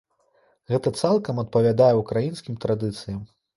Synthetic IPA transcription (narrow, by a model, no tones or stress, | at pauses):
ɣɛt̪ɐt̪salˠkɐmɐt̪̚pɐvʲad̪ajɛukɾajinskʲimt̪ɾad̪ɨt̪sɨjɐm